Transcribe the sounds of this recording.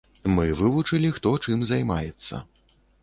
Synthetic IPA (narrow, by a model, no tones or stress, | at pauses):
mɨvɨvut͡ʂɨlʲixt̪ɔt͡ʂɨmzajmajɛt̪sːɐ̰